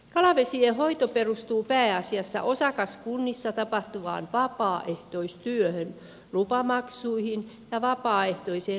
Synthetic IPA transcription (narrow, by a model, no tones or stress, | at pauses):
kɑlɑʋesiehoit̪operust̪uːpæːɑsiɑsːɑ̰ʔosɑkɑskunːisːɑt̪ɑpɑht̪uʋɑ̰ːnʋɑpɑːʔeht̪oist̪yøhøn | lupɑmɑksuihin | jɑʋɑpɑːeht̪oiseː